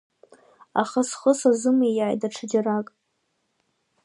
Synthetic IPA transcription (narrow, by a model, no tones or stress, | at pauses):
a̰χasχʊsazɨmijaːjdʼaʈ͡ʂʰɨd͡ʒarakʼ